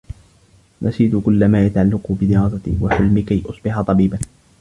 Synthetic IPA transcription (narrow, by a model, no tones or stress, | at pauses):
mʔasiːt̪ʊkʊlːamaːjat̪aʕalːaqʊbɪd̪ɪɾɑːsat̪ḭːwaħʊlmɪkajʔʊsˤbɪħat̪ˤɑbiːban